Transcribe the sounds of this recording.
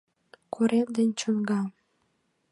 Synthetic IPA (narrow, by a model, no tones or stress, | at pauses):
kʰuɾend̪enʲt͡ɕonɡɑ